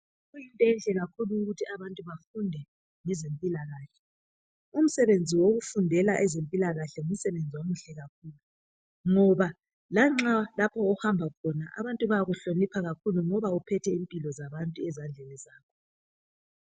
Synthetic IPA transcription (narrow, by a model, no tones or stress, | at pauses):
ɣujintʼɔɛnd͡ɮʱɛɣakʰuluːɣutʰiʔaβantʼuβafundʱɛ | ŋɛzempʼilaɣaːɬɛ | um̩sɛβend͡zʱiwoɣufundʱɛlaʔɛzempʼilaɣaɬɛŋum̩sɛβend͡zʱiwomuɬɛɣakʰuːlu | ŋɔβa | laŋ͡ǁalapʰɔːhambʱakʰɔnaʔa̰βantʼuβaaɣuɬonipʰaɣakʰuluŋɔβaupʰɛtʰɛimpʼilɔzaβantʼuɛzand͡ɮʱɛnizaːkʰɔ